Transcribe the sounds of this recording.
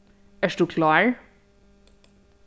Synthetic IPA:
æʂd̥̪uːkʰlɑːɹ

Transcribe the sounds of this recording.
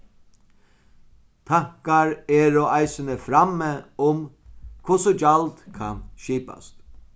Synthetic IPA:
t̪ʰahkaɾɛɾɔajsɪnəfɾaməʊm | kʰʊsʊd͡ʒalt̪kʰanʃiːpa̰st̪

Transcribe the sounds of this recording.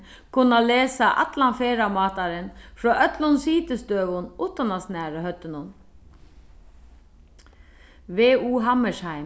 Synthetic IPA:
kʰʉnɑleːsɑʔɑ̰t̪lɑnfeːɾɑmɑːt̪ɑɾənfɹoːʔœt̪lʊnsiːt̪əst̪øːʋʊnʔuːt̪ɑnɑsnæːɹəhœt̪ənʊn | ʋeːuːɦɑməʃhæɪ

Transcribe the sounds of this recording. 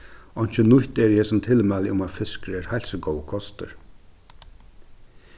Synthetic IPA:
ɔn̥t͡ʃənʊjht̪ɛɾjɛsʊmt̪ʰɪlmɛːlɪʊmafɪskɾɛːɾhalsəɡɔwəkʰɔst̪ə̰ɾ

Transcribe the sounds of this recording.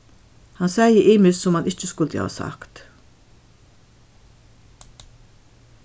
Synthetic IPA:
hansɛːjəʔɪːmɪssɔmhanʔɪt͡ʃəskʊlt̪ja̰ːsa̰kt̪

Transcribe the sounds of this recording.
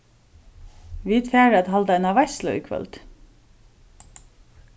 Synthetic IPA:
ʋiːd̪fæːɾɑd̪hɑld̪ænɑʋæslə̰ʏ̰ːkʰʋœ̰lt̪

